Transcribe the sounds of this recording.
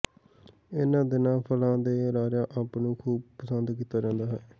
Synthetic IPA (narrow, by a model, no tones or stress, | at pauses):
ɪnãːd̪ɪnãːpʰəlãːd̪eːɾaːɾaːʔəpnũːkʰuːbpəsənd̪kiːt̪aːd͡ʒãːnd̪aːɦɛː